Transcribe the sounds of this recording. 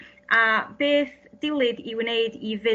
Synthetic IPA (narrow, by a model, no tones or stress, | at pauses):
ʔab̥eːθd̥ɪwlˠɨdiwnejdivɪ